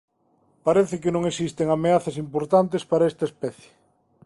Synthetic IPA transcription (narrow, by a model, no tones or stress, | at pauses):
paɾeθɪkɪnõŋesist̪eŋameaθɐsimpoɾt̪ant̪̬espaɾɐɛst̪ɐespɛθje̥